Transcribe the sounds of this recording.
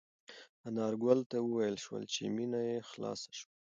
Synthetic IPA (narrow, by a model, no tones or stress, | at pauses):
anɑɾɡwalt̪awəwajəlʃwə̰lt͡ʃḛminajexlɑ̰sḁʃwa